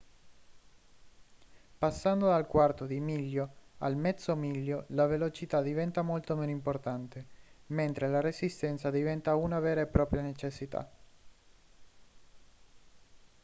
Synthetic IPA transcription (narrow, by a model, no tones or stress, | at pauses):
pasːand̪od̪alkwart̪od̪imilːjoa̰lmɛt̪somiʎːolavelot͡ʃit̪ad̪ivɛnt̪amolt̪omeːnoimport̪ant̪ement̪ɾelaɾesist̪ɛnt̪sad̪ivɛnt̪aunavɛːɾaepːɾɔːpɾjanet͡ʃesːit̪a̰